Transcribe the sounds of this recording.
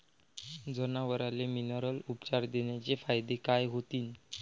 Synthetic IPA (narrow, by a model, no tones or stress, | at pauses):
d͡zənaʋəɾaleminəɾəlupt͡ɕaɾd̪eɳjat͡ɕefajd̪ekajɦot̪iːn